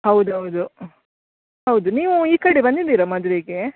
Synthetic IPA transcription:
hɐwd̪uɦɐwd̪u | hɐwd̪uniːʋuiːkɐɽebɐnd̪id̪iːɾɐmɐd̪uɾeɡe

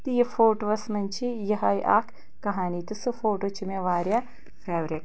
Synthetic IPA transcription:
t̪iːjɐfoːʈʋɐsmɐnt͡ʃʰijɐɦɐjʔa̰ːkː | ɐɦaːnit̪usɨfoːʈoːt͡ʃimeːʋaːɾʲjɐ | fʰeːʋɾek

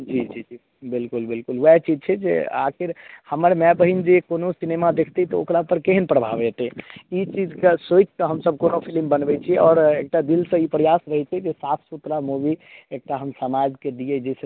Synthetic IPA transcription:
d͡ʒid͡ʒid͡ʒi | bilkulbilkulɛt͡ʃid͡ʒt͡ʃʰɛd͡ʒḛa̰kʰiɾhəməɾmɛbəɦind͡ʒekonosinemad̪ekʰt̪it̪ɔo̰kɾapəɾkeɦənpɾəbʱabɛt̪ɛit͡ʃid͡ʒkesojt͡ʃ̪k̪əɦəmsəb̚konopʰilmbənbɛt͡ʃʰiɛɔːɾek̚ʈad̪ilsə̃ipɾəjasɾəɦɛt͡ʃʰɛd͡ʒesat̪ʰsut̪ɾamubiek̚ʈaɦəmsəmad͡ʒked̪ijɛd͡ʒɛsə

